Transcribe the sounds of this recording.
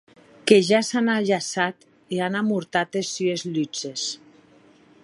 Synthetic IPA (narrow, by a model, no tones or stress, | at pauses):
keʒasanaʎasat̪ | ianamuɾt̪at̪esyezʎyd͡ʒes